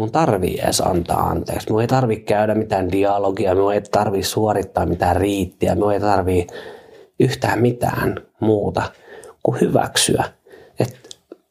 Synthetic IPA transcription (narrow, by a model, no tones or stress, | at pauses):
unt̪ɑrʋḭḛːsɑ̰nt̪ɑ̰ːɑ̰nt̪ḛːksmiueit̪ɑrʋikkæydæmit̪æːndiɑloɡiɑmiueit̪ɑrʋiːssuorit̪ːɑːmmit̪æːrriːt̪ːiæ̰miueit̪ɑrʋiː | yht̪æːmmit̪æ̰ːnmuːt̪ɑkuhyʋæ̰ksy̰æ | et̪